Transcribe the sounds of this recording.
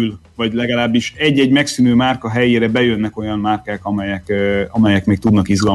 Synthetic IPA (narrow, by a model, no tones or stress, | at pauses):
lvɒɟlɛɡɒlaːbːiʃɛɟːɛɟmɛksynøːmaːrkɒɦɛjeːɾɛbɛjønːɛko̞jɒmmaːrkaːkɒmɛjɛkɒmɛjɛkmeːk̚t̪ud̪nɒkizɡɒl